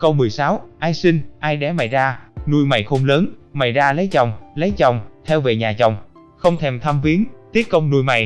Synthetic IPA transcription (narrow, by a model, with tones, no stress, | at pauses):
kə˧wmɨ˨˩əjsaː˨˦wʔaː˧jsï˧ŋʔaː˧jɗɛ̰˧˩ma̰˨˩jzaː˧nu˧jma̰˨˩jxo˧mləː˨˦nma̰˨˩jzaː˧lə˨˦jt͡ɕɔ˨˩wŋ͡mlə˨˦jt͡ɕɔ˨˩wŋ͡mt̪ʰɛ˧wve˨˩ɲaː˨˩t͡ɕa˨˩wŋ͡m | xə˧wŋ͡mt̪ʰɛ˧˩mt̪ʰaː˧mvi˨˦ənt̪i˦˥ət̚kə˧wŋ͡mnu˧jma̰˨˩j